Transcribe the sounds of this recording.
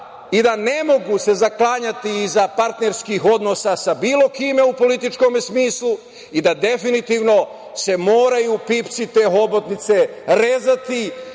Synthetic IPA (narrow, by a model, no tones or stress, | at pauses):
id̪anemo̞ɡuse̞zaklˠaːɲat̪iːzapaɾt̪ne̞ɾskixo̞d̪no̞sasabiːlˠo̞kiːmeupo̞lit̪it͡ʃko̞mesmiːslˠu | id̪ad̪e̞finit̪iːʋno̞ | se̞mo̞ːɾajupiːpt̪sit̪e̞ːɦo̞bot̪nit̪se̞ | ɾe̞ːzat̪i